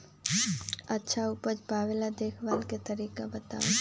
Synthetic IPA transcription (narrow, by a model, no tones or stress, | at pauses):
ɐtːʃʰaupət͡ʃbʱaːʋelad̪eːkʰʋaːlket̪ɐɾiːkabɐt̪a̰ːe